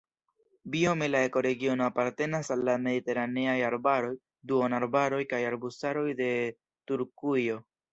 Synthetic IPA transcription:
bio̞me̞lae̞ko̞ɾe̞ɡio̞no̞apaɾte̞nasalːame̞dite̞ɾane̞ajaɾbaɾo̞j | duonaɾbaɾo̞jkajaɾbusaɾo̞jde̞ | tuɾkujo̞

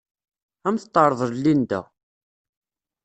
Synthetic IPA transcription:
æmθət̪ˤːɑɾˤəðˤəðlːind̪æ̰

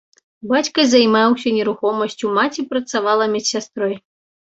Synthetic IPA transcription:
bat͡sʲkɐzʲajmawsʲɐnʲɛɾuxɔmɐsʲt͡sʲumat͡sʲipɾɐt̪savalˠɐmʲɛt͡sʲsʲast̪ɾɔj

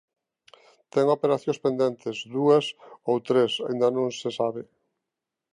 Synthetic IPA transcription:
t̪ɛŋopeɾaθjõŋspẽnd̪ent̪ɪzd̪uɐsowt̪ɾesaind̪ɐnõŋsɪsaβɪ

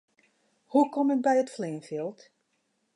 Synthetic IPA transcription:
hukɔmət̚bɛjətfleːnfilˠt

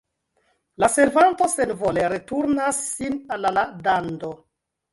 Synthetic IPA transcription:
lase̞ɾvanto̞se̞nvo̞le̞ɾetuɾnasːinalaladando̞

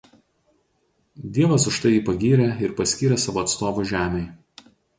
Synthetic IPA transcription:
d̪ʲiɛʋɐsʊʃt̪ɐɪiːpɐɡʲiːɾʲɛɪɾpɐsʲkʲiːɾʲɛsɑːʋoːɐt̪st̪oːʋoːʒʲæːmʲɛɪ

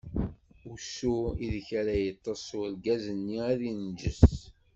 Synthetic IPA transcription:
usuiðçæɾæjət̪ˤːəsˤulɡæzənːiæðind͡ʒə̰s

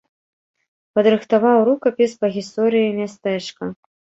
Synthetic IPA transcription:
pɐd̪ɾɨxt̪avawɾukɐpʲispɐɣʲist̪ɔɾɨjimʲast̪ɛt͡ʂkɐ

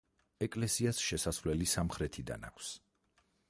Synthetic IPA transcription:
ɛkʼlɛsiasʃɛsasvlɛlisamχɾɛt̪ʰid̪a̰na̰kʰs

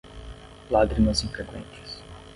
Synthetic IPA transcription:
laɡɾimɐzĩkek̪wḛ̃nt͡ʃɪ̥s

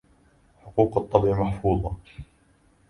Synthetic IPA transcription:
ħʊquːqɑt̪ˤːɑbʔimaħfuːðˤɑ

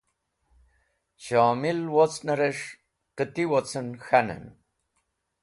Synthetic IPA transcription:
ɕaːmilwot͡snaɾeʂ | qət̪iwot͡sənxanə̰n

